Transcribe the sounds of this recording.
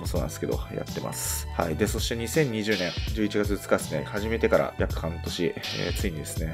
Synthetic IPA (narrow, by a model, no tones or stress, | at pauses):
moso̞ːnã̰nesɨ̥ke̞d̪o̰ja̰t̪ːe̞ma̰sɨ̥ha̰id̪e̞so̞ɕi̥t̪e̞ɲ̟isẽ̞ɲ̟ːiʑɨːnẽ̞ŋd͡ʑɨːit͡ɕiɡat͡sɨ̥t͡sɨ̥kad̪esɨne̞̰haʑime̞t̪e̞kaɾa̰jakɯ̟̥hãnt̪o̞ɕiḛːt͡sɨiɲ̟id̪e̞sɨne̞